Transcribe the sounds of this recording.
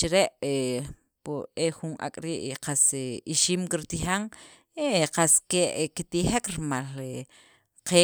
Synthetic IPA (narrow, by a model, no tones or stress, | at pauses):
t͡ʃiɾeʔe | pueχunʔa̰kʼɾiːʔqaseiʃiːmkiɾt̪iχaŋ | eqaskeʔkit̪iχekɾimale | qe